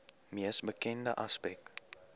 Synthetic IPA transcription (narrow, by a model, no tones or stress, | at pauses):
miəsbəkɛndə̰ʔaspɛk̚t